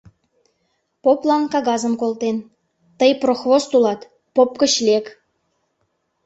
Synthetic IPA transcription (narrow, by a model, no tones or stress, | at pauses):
poplɑnkɑɣɑzə̆mkolˠt̪en | t̪əjproxvost̪ulɑt̪ | popkə̆ɕlʲek